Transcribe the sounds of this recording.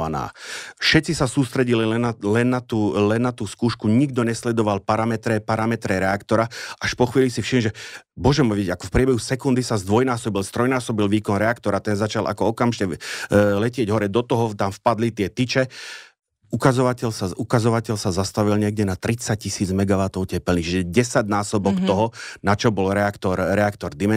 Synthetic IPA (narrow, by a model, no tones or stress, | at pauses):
ana̰ːfʃɛt̪t͡sisasuːst̪ɾɛɟililɛnːat̪uːlɛnːat̪uːskuːʃkuɲiɡd̪ɔɲɛslɛd̪ɔʋalpaɾamɛt̪ɾɛpaɾamɛt̪ɾɛɾɛakt̪ɔɾaaʃpɔxʋiːlisifʃimʒɛbʊɔʒɛmɔʋiɛɟakɔ̥fpɾɪɛbɛɦusɛkund̪isazd̪ʋɔjnaːsɔbilst̪ɾɔjnaːsɔbilʋiːkɔnɾɛakt̪ɔɾat̪ɛnzat͡ʃalʔa̰kɔɔkamʒicɛlɛcɪɛɟɦɔɾɛd̪ɔt̪ɔɦɔt̪amfpad̪lit̪ɪɛt̪it͡ʃɛ | ukazɔʋacɛlsaukazɔʋacɛʎsazast̪aʋilɲɪɛɡ̚ɟɛnat̪ɾit͡sac̚cisiːd͡zmɛɡaʋat̪ɔʊcɛpɛlnit͡ʃiʒɛɟɛsaɟnaːsɔbɔkt̪ɔɦɔnat͡ʃɔbɔlɾɛakt̪ɔɾɾɛakt̪ɔɾd̪imɛ